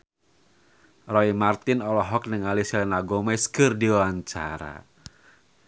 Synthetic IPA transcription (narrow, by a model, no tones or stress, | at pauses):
rɔimart̪ɪnɔlɔɦɔk̚nəŋalisilɛnaɡɔmɛskɨrdiwaɲt͡ʃa̰ɾa̰